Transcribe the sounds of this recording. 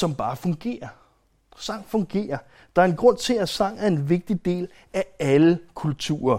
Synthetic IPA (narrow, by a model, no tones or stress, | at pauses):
sɒ̽mb̥ɑ̈ːfɔ̽ŋɡ̥e̝̰ːɐ | sɑ̈ŋ̰fɔ̽ŋɡ̥e̝̰ːɐ | d̥ɑ̈æɐe̝nɡ̥ʁɔ̽n̰t͡sʰe̝æsɑ̈ŋ̰æɐe̝nʋe̝ɡ̥̚d̥id̥e̝̰ːl | ææləkʰult͡sʰṵːɐ